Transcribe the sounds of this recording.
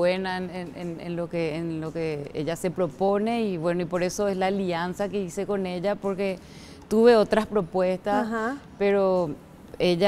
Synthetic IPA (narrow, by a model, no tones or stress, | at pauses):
enaenenenḛnlokeːnlokeḛʎase̞pɾo̞pone̞iβwe̞noipo̞ɾe̞so̞eslaːliansakeisekoneʎapoɾke̞ | t̪uβe̞ot̪ɾaspɾopwe̞st̪aspeɾo | eʎa